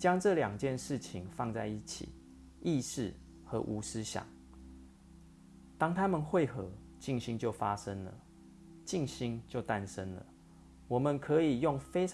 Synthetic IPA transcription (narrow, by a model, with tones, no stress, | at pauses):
t͡ɕjɑ˥ŋʈ͡ʂɤ˥˨ljɑ˨˩ŋt͡ɕjɛ˥˧nʂɻ̩˥˩t͡ɕʰi˨˩ŋfɑ˥˧ŋt͡sa˥˧ɪi˥˩t͡ɕʰḭ˨˩˦ | i˥˧ʂɻ̩˥˩ | xɤ˧˦ʔu˧˥sɻ̩˥˦ɕjɑ̰˨˩˦ŋ | t̪ɑ˥ŋt̪ʰa˦mə˨nxwe˥˨˩ɪxɤ˨˧˦ | t͡ɕi˥˩ŋɕi˥ŋt͡ɕjo˥˩ʊfa˦ʂə˦ŋlə̰˨ | t͡ɕi˥˨ŋɕi˥ŋt͡ɕjo˥˨ʊt̪a˧nʂə˦nlə̰˨˩ | wɔ˨˩mə˨nkʰɤ˨˧˦i˨˩jo˥˩ŋfe˥ɪʈ͡ʂʰ